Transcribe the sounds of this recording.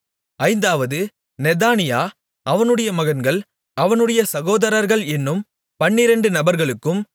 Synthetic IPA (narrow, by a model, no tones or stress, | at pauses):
ɐɪnd̪aːʋɐðɯ | nɛðaːnɪjaː | ʔɐʋɐnɯɽɐjɐmɐɣɐnɡɐɭ | ɐʋɐnɯɽɐjɐsɐɣoːðɐɾɐɾɣɐɭɛnːɯm | pɐɳːɪɾɐɳɖɯnɐbɐɾɣɐɭɯkːɯm